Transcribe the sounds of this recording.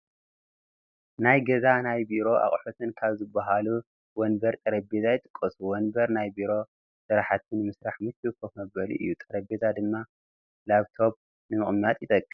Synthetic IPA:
najɡɐzanajbiɾo̞ʔa̰χʼħot̪ʰɨnkʰaβzɨbːaɦalu | wɔnbɐɾt̪ʼɐɾɐbezajɨt̪ʼɨ̥kʼːɐsuwɔnbɐɾnajbiɾo̞ | sɨɾaħat̪ʰɨnɨmɨsɾaħmɨt̪ːɨwɨkʰːofmɐbɐlḭʔɨ̰jːut̪ʼɐɾɐbezad̪ɨmːa | laβt̪ʰo̞β̚ | nɨmɨχʼmːat̪ʼjɪt̪ʼɐkʼːɨ

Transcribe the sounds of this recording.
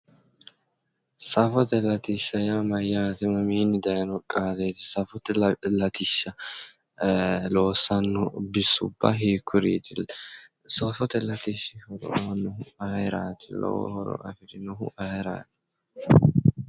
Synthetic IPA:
sɐfɔt̪ɛlɐt̪iʃːɐjamɐjːat̪ɪmɐmiːnɪd̪ɐjɐnɔkʼːaːleːt̪ɪsɐfɔt̪ɛllɐt̪ɪʃːɐ | loːsːɐnːɔbɪsʊbːɐ̰ɦiːkʰːʊɾḭːt̪ɪ | sɐfɔt̪ɛlɐt̪iʃɪhɔɾɔ̰ɐnʊhʊɐɾaːt̪ɛlɔ̰wɔ̰hɔ̰ɾɔ̰ʔɐ̰fɪd̪ɪnʊɦʊ̰ʔɐɾa̰ːt̪ɛ̥

